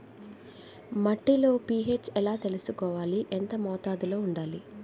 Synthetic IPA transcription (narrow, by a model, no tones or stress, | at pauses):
mɐʈːilo̞ːpie̞ːt͡ʃɛlaːt̪e̞lusukɔːʋaːliʔent̪ɐmɔːt̪aːd̪ulo̞ːuɳɖaːli